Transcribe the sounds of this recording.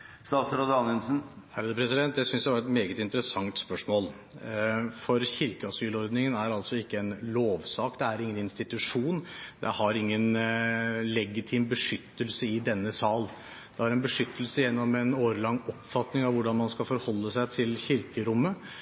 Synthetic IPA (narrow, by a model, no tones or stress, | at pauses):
st̪ɑːt̪sɾod̪əɑnɛnsn̩ | hæɾəd̪əpʰɾɛsɪd̪ɛnt̪d̪ɛsʏnsd̪ʋɑɾɛt̪meːɡət̪ɪnt̪əɾəsɑŋt̪spœʂmoːl | fɔɾçɪɾkəɑsyːlɔɾd̪nɪŋənæɾɑlt̪sɔɪkːəɛnloːʋsɑːkd̪ɛæɾɪŋːənɪnst̪ɪt̪ʉʂuːnd̪ɛ̰hɑɾɪŋːən | lɛɡɪt̪ʰiːmbəʂʏt̪ːəlsəɪd̪ɛnːəsɑːl | d̪̥ɛhɑɾɛnbəʂʏt̪ːəlsəjɛnːɔmɛnoːɾəlɑŋːɔpːfɑt̪nɪŋɑʋʋʊɖɑnmɑnskɑlfɔɾhɔlːəsæɪt̪ʰɪlçɪɾkəɾʊmːə